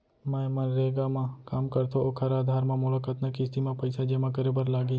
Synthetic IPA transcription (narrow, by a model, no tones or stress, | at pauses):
mɛ̃ːmɐ̃nɾeːɡamãkaːmkɐɾt̪ʰookʰɐɾaːd̪ʱaːɾmãmʊlakət̪nakɪst̪imãpɐɪsad͡ʒeːmãkəɾebəɾlaːɡiː